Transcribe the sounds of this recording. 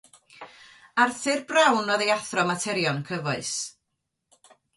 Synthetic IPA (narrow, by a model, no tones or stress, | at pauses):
arθɨrbrawnɔðejaθrɔmatʰɛɾjɔnkʰəvɔɨs